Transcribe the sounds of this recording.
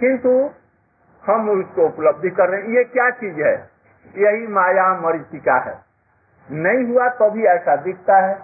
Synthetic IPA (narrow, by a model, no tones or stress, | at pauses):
kɪ̃nt̪u | həmʊskoupləb̚d̪ʱkəɾːəɦɛ̃jekjat͡ʃiːd͡ʒɦɛ̰ | jəɦimaːjaməɾit̪ikaɦɛ̰ | nəĩɦuat̪əbʱiɛːsad̪ɪk̚ʰt̪aɦɛː